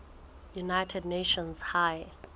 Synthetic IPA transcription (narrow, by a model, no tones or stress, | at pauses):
junajtʰɛdneʃɔ̃nshaj